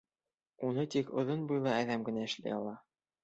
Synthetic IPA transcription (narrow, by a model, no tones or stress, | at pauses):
unɤt̪ikŏ̰ðonbujlˠɑæðæmɡɘ̆næɘ̆ʃlæ̰jɑlˠɑ